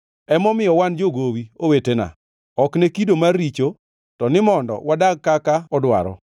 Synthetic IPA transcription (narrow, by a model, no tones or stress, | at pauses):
ɛmɔmɪjɔwand͡ʒoɡowiowetena̰ | ɔknekidomarːit͡ʃo | tɔnɪmɔndɔ̰wadaɡ̚kakaɔdwa̰ɾɔ̰